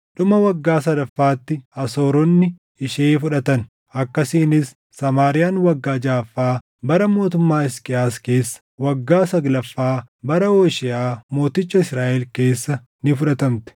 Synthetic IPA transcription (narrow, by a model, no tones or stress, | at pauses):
ᶑʊmɐwɐɡːaːsɐd̪ɐfːaːt̪ːɪɐso̞ːɾɔnːɪ | ɪʃeːfʊᶑɐt̪ɐn | ʔɐkːɐsiːnɪsː | ɐmaːɾɪjaːnwɐɡːaːd͡ʒaːfːaː | bɐɾɐmo̞ːt̪ʊmːaːɪskʼɪaːske̞ːsːɐ̥wɐɡːaːsɐɡlɐfːaː | bɐɾɐoːʃɪʔaːmo̞ːt̪ɪt͡ʃːɐɪsɾaːʔɛlke̞ːsːɐ | nɪfʊᶑɐt̪ɐmt̪ɛ̥